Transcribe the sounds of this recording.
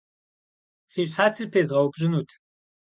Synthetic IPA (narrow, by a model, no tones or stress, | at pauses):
siːɕħaːt͡sʰɨrtʰeːzʁɐwpʒɪnuːtʰ